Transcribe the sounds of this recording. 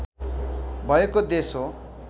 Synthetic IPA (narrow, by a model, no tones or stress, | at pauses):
bʱʌekod̪eso